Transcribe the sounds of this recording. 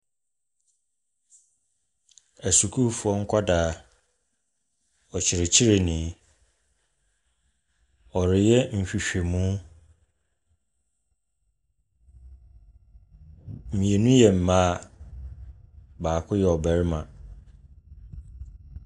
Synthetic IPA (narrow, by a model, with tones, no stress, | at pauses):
æ˨su˨kʰu˦fʊ˨˦ɔ˦ŋ̩˦kʷʰa˦daː˨ | ɔ˨t͡ɕʰɪ˨ɾɪ˨t͡ɕʰi˦ɾe˨nĩ˨˦ | ɔ˨ɾɪ˨jɛ˦m̩˨ɕᶣi˨ɕᶣe˨mũ˦ | m̩˨mĩ˨e˨nũ˦jɛ˨m̩˨mãː˦˨ | baː˨kʰʊ˦jɛ˨ɔ˨bɛ˨ɾɪ˦mã̰˨